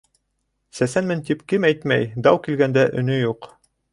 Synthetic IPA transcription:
sæsænmɘnt̪ipkɘmæjt̪mæ̰jd̪ɑwkilɡænd̪æʔɵ̆nɵjuq

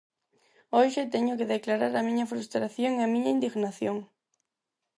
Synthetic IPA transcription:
oʃɪt̪ɛɲʊkeðeklaɾaɾɐmĩɲɐfɾust̪ɾaθjoŋeɐmĩɲɐind̪iɣnaθjoŋ

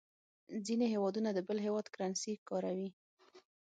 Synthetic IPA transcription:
zineɦewɑd̪unad̪əbəlɦewɑd̪kɾansikɑɾawi

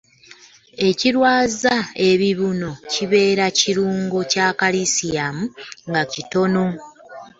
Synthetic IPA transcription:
e̞ciɾwaːzae̞βiβuno̞ciβe̞ːɾaciɾuːŋɡo̞caːkalisiamuŋɡacito̞no̞

